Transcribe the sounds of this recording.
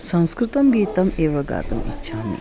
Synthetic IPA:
sɐ̃w̃skɾɪt̪ɐmɡiːt̪ɐmeːʋɐɡa̰ːt̪ɐmḭʃʰaːmḭ

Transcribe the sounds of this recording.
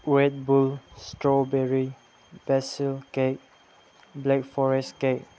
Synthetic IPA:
wɛt̚bulstɹɔbɛɹi | bɛsəlkek̚ | blɛk̚fɔɹɛskek̚

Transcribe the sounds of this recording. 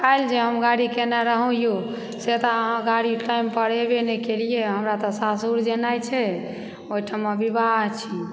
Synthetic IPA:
kajld͡ʒeɦəmɡaɽikenaɾəɦũjo | set̪ɔɦãɡaɽiʈaimpəɽebenekelieɦəmɾat̪ɔsasuɾd͡ʒenajt͡ʃʰɛ | oɦiʈʰaməbʱibaɦt͡ʃʰi

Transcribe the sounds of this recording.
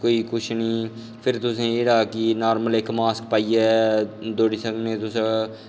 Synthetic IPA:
koːiːkʊʃʰnĩː | pʰɪɾt̪ʊsẽːeːɾaːkinaːɾməleːkmaːskpaːiɛːd̪oːɖisəŋɡnẽːt̪ʊsẽ

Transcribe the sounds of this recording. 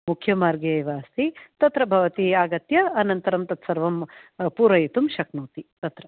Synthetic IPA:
mukʰjɐmaːɾɡɐɐjʋaːst̪it̪ɐt̪ɾɐbʱɐʋɐt̪iaːɡɐt̪jɐːnɐnt̪ɐɾɐmt̪ɐt̪sɐɾʋɐmpuːɾɐjit̪umʃɐknuːt̪it̪ɐt̪ɾɐ

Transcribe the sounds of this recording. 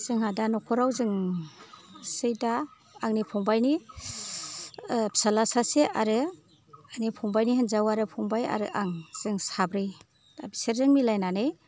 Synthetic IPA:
z̥ɯŋɦadanɔkʰɔɾawzɯŋ | sɯjdaː | ŋnipʰɔŋbajni | psalasaseʔaɾɯ | anipʰɔŋbajniɦanzawaɾɯpʰɔŋbaja̰ɾɯʔaŋz̥ɯŋsabɾɯj | a̰biseɾzɯŋmilajnanɯj

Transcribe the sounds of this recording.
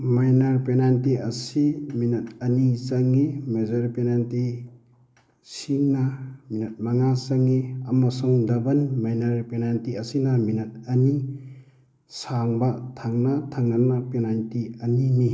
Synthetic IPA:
majnɐɾpenantiɐsiminɐt̚ɐnit͡ʃɐŋːimezɐɾpenanti | siŋnaminɐt̚maŋasɐŋiɐmɐsuŋdɐbɐnmajnɐɾpenantiɐsinɐminɐt̚ɐni | saŋbatʰaŋnatʰaŋnanapenantiɐnini

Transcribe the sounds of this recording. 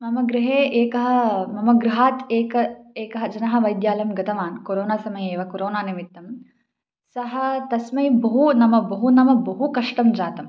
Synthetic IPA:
mɐmɐɡɾɪɦeːʔeːkɐɦɐ̆mɐmɐɡɾɪɦaːt̪eːkɐeːkɐɦɐd͡ʒɐnɐɦɐ̆ʋɐjd̪jaːlɐmɡɐt̪ʰɐʋaːnkoɾoːnaːsɐmɐjeːʋɐkoɾoːnaːnimit̪ːɐm | sɐɦɐ̆t̪ɐsmɐjbɐɦunɐmɐbɐɦunɐmɐbɐɦukɐʂʈɐmd͡ʒaːt̪ɐm

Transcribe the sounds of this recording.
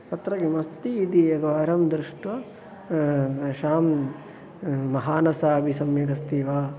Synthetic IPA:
ɐt̪ɾɐɡemɐst̪iːd̪iɐɡɐʋaːɾɐmd̪ɾɪʂʈʋɐ | ʃaːm | ɐɦaːnɐsaːbʱisɐmjɐɡɐst̪iːʋaː

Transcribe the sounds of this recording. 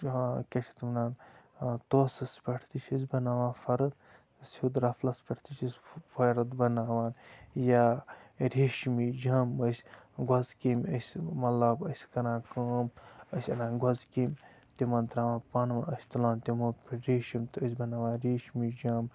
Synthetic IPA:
kʲet͡ʃʰit̪mnaːnt̪oːsɐspʲɐʈʰt̪it͡ʃʰis̬ʲbɐnaːʋãːfɐɾɐt̪ | sud̪ɾɐflɐspʲɐʈʰt̪it͡ʃʰisfɐɾɐt̪bɐnaːʋaːnjaːɾiːʃmiːd͡ʒaːməsʲɡwɐzkimʲəsʲmɐlɐbəsʲkɐnaːkaːməsʲɐnaːnɡwɐzkim | t̪imɐnt̪ɾaːʋãːpɐnʋaɐsʲt̪ɐlaːnt̪ʲimopɾiːʃimt̪əsʲbɐnaːʋãːɾiːʃmid͡ʒaːm

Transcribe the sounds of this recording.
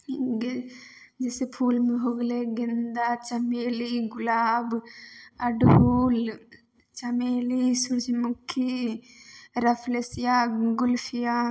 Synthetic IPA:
ɡ | d͡ʒɪsepʰuːlmẽɦoɡleɡɪnd̪aːt͡ʃɐmeːliɡʊlaːb | ɐɖɦuːl | t͡ʃɐmeːlisʊɾsimʊkʰːi | ɾɐpʰlesɪjaːɡʊlpʰija

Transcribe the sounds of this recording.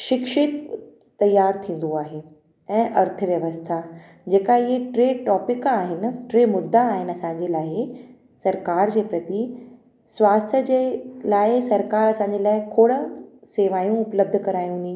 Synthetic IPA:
ʃɪkʃɪt̪ː | ɐjaːɾt̪ʰĩːn̆d̪oaːɦeː | ɛ̃ːʔɐɾt̪ʰəʋjɐʋəst̪ʰa | d͡ʑeːkaɪɦeʈɾeːʈɔːpɪkaːɦɪnɪ̆ʈɾeːmʊd̪ʱːaːɦɪnɪɐsãɲd͡ʑelaː | sɐɾkaːɾd͡ʑeːpɾɐt̪i | sʋaːst̪ʰjəd͡ʑelaːɪsɐɾkaːɾɐsãːɲd͡ʑelaːɪkʰoːɽəseːʋaːjũʊpləb̚d̪ʱəkɐɾaːjũni

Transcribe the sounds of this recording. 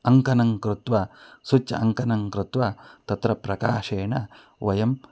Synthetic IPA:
ɐŋkɐnɐŋkɾut̪wɐsut͡ʃɐ̰ɐŋkɐnɐŋkɾut̪wɐt̪ɐt̪ɾɐpɾɐkaːʃeːɳɐ | ʋɐjɐm

